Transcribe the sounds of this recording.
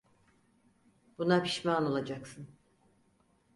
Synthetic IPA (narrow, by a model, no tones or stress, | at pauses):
b̥unapʰi̥ʃmaːno̞lˠad͡ʒaksɯn